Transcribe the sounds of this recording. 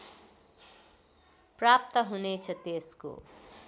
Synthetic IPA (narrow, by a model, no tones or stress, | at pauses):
prap̚t̪ʌɦunet͡sʰʌt̪esko̰